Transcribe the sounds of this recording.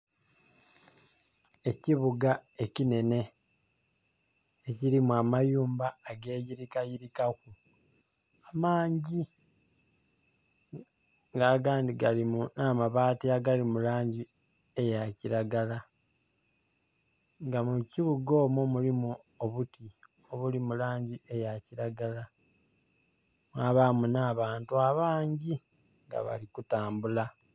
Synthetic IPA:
e̞ciβuɡae̞cine̞ne̞ | eciɾimuamajuːmbaːɡe̞ːɟiɾikajiɾikaku | amaːɲɟi | ŋɡaːɡaːndiɡalimunaːmaβaːtiaɡalimulaːɲɟi | ejaciɾaɡala | ŋɡamuciβuɡo̞ːmomulimu | oβuti | o̞βulimulaːɲɟiʔejaciɾaɡala | mwaβamunaːβaːntuaβaːɲɟi | ŋɡa̰βa̰likutaːmbula

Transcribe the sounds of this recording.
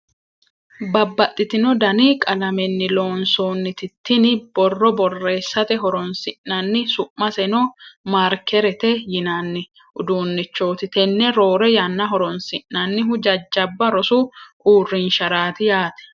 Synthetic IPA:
bɐbːɐt̪ʼːɪt̪ɪnɔd̪ɐnɪkʼɐlɐmɛnːɪlo̞ːnsoːnːɪt̪ɪt̪ːɪnɪb̥ɔrːɔbɔrːe̞ːsːɐt̪ɛɦɔɾɔnsɪʔːɐnːɪsʊʔmɐsɛnɔmaːɾkɛɾɛt̪ɛjɪnanːɪ | ʔʊd̪uːnːɪt͡ʃːo̞ːt̪ɪt̪ɛnːɛɾo̞ːɾɛjɐnːɐɦɔɾɔnsɪʔnɐnːɪɦʊd͡ʒɐd͡ʒːɐbːɐɾɔsʊʔuːrːɪnʃɐɾaːt̪ɪjaːt̪ɛ̥

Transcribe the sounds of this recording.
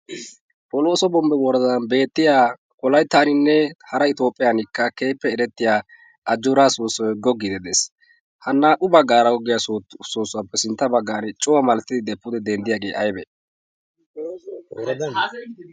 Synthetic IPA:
pʼɔloːsɔbɔmbɛwɔɾɐd̪ɐnbe̞ːt̪ːɪjaː | kʼɔlɐjt̪aːnɪnːɛhɐɾɐɪt̪o̞ːpʼːɪjanɪkːɐkeːpːɛːɾɛt̪ːɪjaː | ʔɐd͡ʒːʊɾaːsoːsːɔjɡɔɡːɪd̪ɛd̪ɛs | hɐnːɐʔʊbɐɡaːɾɐwɔɡɪjasoːsːʊwapːɛsɪnt̪ːɐbɐɡːaːnɛt͡ʃʼɔwɐmɐlɛt̪ːɪd̪ɪd̪ɛpːʊd̪ɛd̪ɛnd̪ɪjaːɡe̞ːʔɐjbɛ

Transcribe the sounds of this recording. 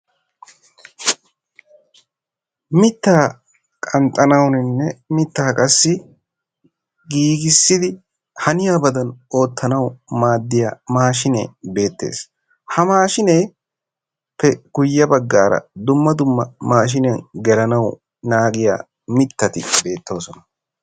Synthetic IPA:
mɪt̪ːaː | kʼɐnt̪ʼɐnɐwnɪnːɛmɪt̪ːaːkʼɐsːɪ | ɡiːɡɪsːɪd̪ɪ | hɐnɪjaːbɐd̪ɐno̞ːt̪ːɐnɐwmaːd̪ːɪjaːmaːʃɪnḛːbe̞ːt̪ːe̞̰ːs | hɐmaːʃɪnej | pɛɡ̥ʊjːɐbɐɡːaːɾɐ̰d̪ʊmːɐd̪ʊmːɐmaːʃ̬ɪnjɐnɡɛlɐnɐw | naːɡɪja̰ː | mɪt̪ːɐt̪ɪbe̞ːt̪ːo̞ːsɔnɐ̥

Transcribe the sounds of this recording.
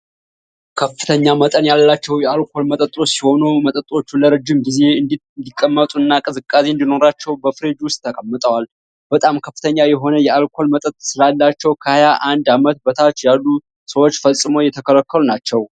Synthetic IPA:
kʰəfːɨt̪ʰəɲːamət̪ʼənjalːat͡ʃːɛwjɛalkʰo̞lmət̪ʼət̪ʼo̞t͡ʃːsiho̞numət̪ʼət̪ʼo̞t͡ʃːuləɾɨd͡ʒːɪmɡize̞ɨnd̪ | nd̪ikʼːəmːət̪ʼuɨnːakʼɨzɨkʼːaseɨnd̪ino̞ɾat͡ʃːɛwbəfɨɾed͡ʒwʊst̪ʼt̪ʰːəkʼəmːət̪ʼəwal | b̥ət̪ʼamkʰəfːɨt̪ʰəɲːajɛɦo̞nəjɛalkʰo̞lmət̪ʼət̪ʼsɨlalːat͡ʃːɛwkʰəhajaʔand̪amət̪bət̪ʰat͡ʃːjalːu | səwo̞t͡ʃːfəsʼːɨmo̞jɛt̪ʰəkʰələkʰːəlunat͡ʃːɛw

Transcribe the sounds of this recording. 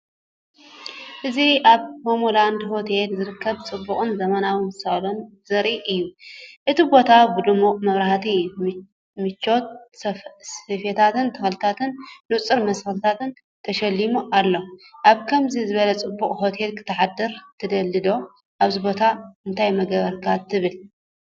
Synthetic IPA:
ʔɨziʔaβhomoland̪ho̞t̪ʰelzɨɾɨkʰːɐβt͡sʼɨbːukʼɨnzɐmɐnawinsɐlon | z̥ɐɾʔiʔɨjːuʔɨt̪ʰibo̞t̪ʰabɨlumoʔʼmɐβɾaht̪ʰi | mɨt͡ʃːo̞t̪̚ | sɐfet̪ʰat̪ɨnt̪ʰɐxlt̪ʰat̪ʰɨnːut͡sʼɨɾmɐsxɨlt̪ʰat̪ɨn | t̪ʰɐʃɐlːimuʔalːo̞ʔaβkʰɐmzizɨβɐlɐt͡sʼɨbːuχʼho̞t̪ʰe̞lkʰɨ̥t̪ʰːɐħad̪ɐɾt̪ʰɐd̪ɐlːɨd̪o̞ | ʔaβzibo̞t̪ʰaɨnt̪ʰajmɐɡɐβɐɾkʰat̪ʰːɨβɨl

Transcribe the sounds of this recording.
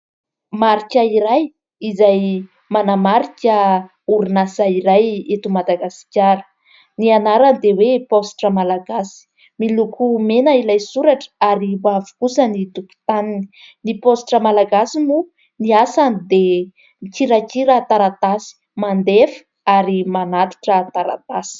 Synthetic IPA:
maɾikʲaiɾaj | izaj | manamaɾikʲə | uɾunasaiɾajet̪umad̪aɡasi̥kʲaɾə̥ | nianaɾand̪eweposʈ͡ʂəmalaɡasi̥ | milukʰumenailajsuɾaʈ͡ʂə̥aɾibavu̥kusənit̪uku̥t̪anini̥ | niposʈ͡ʂəmalaɡasimu | niasanid̪e | ikiɾakiɾat̪aɾat̪asi̥ | mand̪efə̥ | aɾimanat̪i̥ʈ͡ʂət̪aɾa̰t̪asi̥

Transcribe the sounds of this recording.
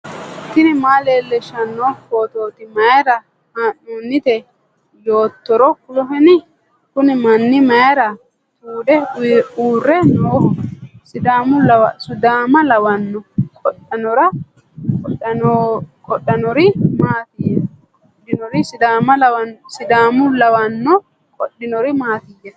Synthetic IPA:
ɪt̪ːɪnɪmaːleːlːɛʃɐnːɔkoːt̪oːt̪ɪmɐjɛɾɐ | haːnːunːɪt̪ɛ | joːt̪ːɔɾɔkʊlɔɦɛnɪ | kʊnɪmɐnːɪmɐjɛɾɐ | t̪ʰuːᶑɛuːrːɛnoːsɪd̪aːmʊlɐwsʊd̪aːmɐlɐwɐnːɔkʼɔɗːɐnɔɾɐ | kɔɐɔkʰɔɗːɐnɔɾɪmaːt̪ɪjːɐ | kɔɗɪnɔɾɪsɪd̪aːmɐlɐwɐnsɪd̪aːmʊlɐwɐnːɔ | kʼɔɗːɪnɔɾɪmaːt̪ɪjːɐ

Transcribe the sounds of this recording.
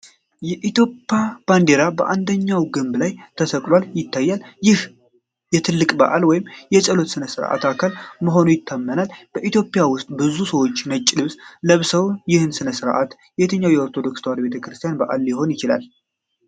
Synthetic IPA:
jɛʔit̪jo̞pʼːjab̥and̪e̞ɾabəʔand̪əɲːawɡɨmblajt̪ʰəsəkʼlwaljɪt̪ʰːajːaljɪh | jɛt̪ʰɨlːɨkʼba̰ʔalwɔjɪmjɛt͡ʃʼəlo̞t̪sɨnəsɨɾʔa̰t̪akʰalməɦo̞nujɪt̪ʰːəmːənalb̥əʔit̪jo̞pʼjawʊst̪ʼbɨzusəwo̞t͡ʃːnət͡ʃʼːɪlɨβsləβsəwjɪhɨnsɨnəsɨɾʔa̰t̪ | jɛjɛt̪ʰəɲːawjɛoɾt̪ʰo̞d̪o̞kst̪ʰwaɾibe̞t̪ʰəkɾɨst̪ʰijanbaʔa̰ljɪɦo̞njɪt͡ʃɪla̰l

